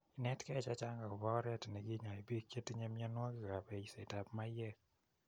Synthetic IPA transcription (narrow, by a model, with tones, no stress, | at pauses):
i˨nɛ˦tkɛ˦˨t͡ʃa˦t͡ʃa˦ŋɡa˨ɔ˨bɔ˦kɔ˦ɾɛ˦tnɛ˨ɡɪ˦ɲa˨i˨be˦ke˦ti˦ɲɛ˦mɪ˦ɛ˦nwɔ˦kɪ˦ka˨bɛ˨i˨se˨ta˨pma˦jɛ˦